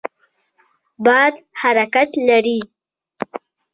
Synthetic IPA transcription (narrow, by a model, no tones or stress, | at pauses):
bɑd̪haɾakat̪laɾi